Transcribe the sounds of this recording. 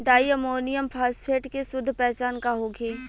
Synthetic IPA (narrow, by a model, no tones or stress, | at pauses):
ɖaːjəmoːnijəmpʰaːspʰeːʈkesʊd̪ʱːpɛːt͡ʃaːnkaɦoːɡiː